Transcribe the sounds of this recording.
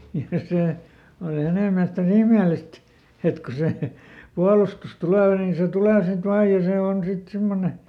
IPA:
jɑ seˑ oli hæneˑ miælest ni ihmeˑlist et ko se puɑlustus tuleˑ nin̞ se tuleˑ sit ʋɑːj jɑ se on sit simːone

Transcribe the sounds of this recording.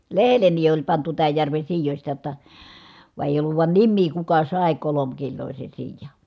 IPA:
lehelːeni olʲ pɑntu tæːj jærʋen̞ siːjosʲtɑ jotːɑ ʋɑˑe eˑi̯j olːuʋ ʋɑˑi̯n nimːiː kukɑ sɑˑe kolomkilːoˑise siːjɑ

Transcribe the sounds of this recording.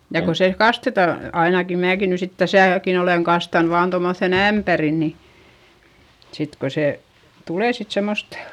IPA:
jɑ ko se kɑstetɑ ɑinɑki mæːki ny sit tæsæˑkin oleŋ kɑstɑn ʋɑːn tomːoθːeˑn æmpæri ni sit ko se tuleˑ sit semːost

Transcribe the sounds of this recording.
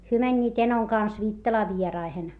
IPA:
hyø mænʲːiːt enoŋ kɑns ʋiːtːɑlɑː ʋierɑihen

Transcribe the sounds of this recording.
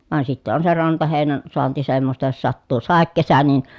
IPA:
ʋɑn sitːe on se rɑntɑheˑi̯næn soɑnti semːostɑ jos sɑtːuː sɑˑekːesæ nin̞

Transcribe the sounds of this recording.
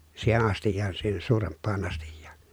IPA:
siːhen ɑstijːɑːn siːhen suːrempːɑːn ɑstijːɑ̥ː

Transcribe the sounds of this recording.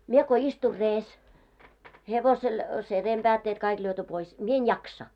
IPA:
mie ko istur reːs heʋosel se reːmb̥æːtːeːt kɑik lyøty pois mie en jɑksɑ

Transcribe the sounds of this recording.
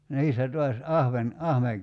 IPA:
niːsːæ tuɑs ɑhʋen ɑhʋeŋ

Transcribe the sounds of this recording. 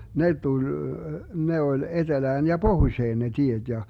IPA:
ne tulʲ ne olʲ etelæːn jɑ b̥ohuĭʃeːn ne tied̥ jɑ

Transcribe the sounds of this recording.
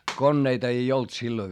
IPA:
konːeitɑ ei olt silːoĭʋ

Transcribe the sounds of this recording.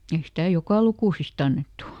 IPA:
ei stæ jokɑˑ lukuˑsist ɑnːetːu

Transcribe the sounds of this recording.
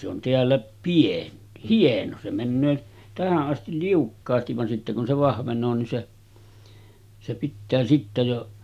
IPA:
se on teælːæ pien hieno se mænːøː tæhæʔ ʔɑstil liukːɑːstiʋ ʋɑn sitːe kun se ʋɑhʋenˑoː nin se se pitːæː sitːæ jo

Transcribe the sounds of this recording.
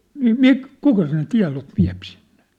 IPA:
niː mik kukɑ sen tiɑ̝loʋ ʋiæ̝p sinn̥e̥

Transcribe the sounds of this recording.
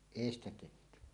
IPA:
eˑi stæ tehty

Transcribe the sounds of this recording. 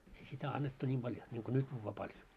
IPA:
ei sitæ ɑnːetːu nʲim b̥ɑljo niŋko nyt juːʋːɑː pɑljo

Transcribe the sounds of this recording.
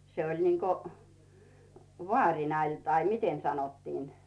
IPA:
se olʲ niŋko ʋŏɑˑrʲinɑ lʲ tɑi miten sɑnotːiːn

